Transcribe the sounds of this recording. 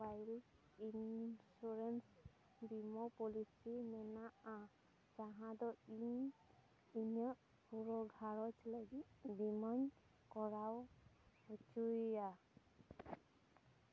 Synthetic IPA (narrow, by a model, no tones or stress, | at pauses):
bajl | insuɹens | bimɔpɔlisinɛnaʔa | zaɦãd̪ɔi | inaʔ | puɹɔɡʱaɹɔt͡ʃlaɡit̪̚biman | kɔɹaw | ut͡ʃuja